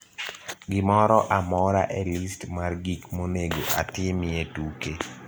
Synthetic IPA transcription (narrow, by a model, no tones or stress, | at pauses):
ɡɪmɔɾɔʔamɔɾaʔɛlistmarɡikmoneɡoʔa̰tɪmɪetuke